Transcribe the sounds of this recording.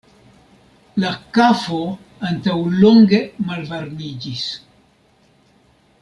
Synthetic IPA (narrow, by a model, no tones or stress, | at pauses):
lakafo̞ | antawlo̞ŋɡe̞malvaɾnid͡ʒis